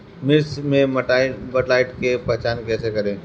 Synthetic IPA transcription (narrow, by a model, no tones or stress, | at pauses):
mɪɾsmẽmbɐʈlaːɪʈkepɛɦt͡ʃaːnkɛːsekɐɾẽː